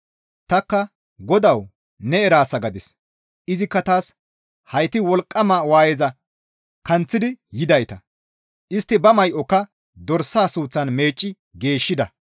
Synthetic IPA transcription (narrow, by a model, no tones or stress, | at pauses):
t̪ɐkːɐ | ɡɔd̪ɐw | nɛɛɾaːsːɐɡɐd̪ɪs | ʔɪzɪkːɐt̪aːs | hɐjt̪ɪwɔlkʼːɐmaːwaːjɛzɐ | kɐnt͡sːɪd̪ɪjɪd̪ɐjt̪ɐ | ʔɪst̪ːɪbɐmɐjʔɔkːɐ | d̪ɔɾsaːsuːt͡sːɐnme̞ːt͡ʃʼːɪ | ɡe̞ːʃːɪd̪ɐ